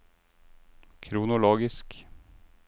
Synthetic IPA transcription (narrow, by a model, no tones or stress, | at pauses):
kʰɾuːnʊloːɡɪsk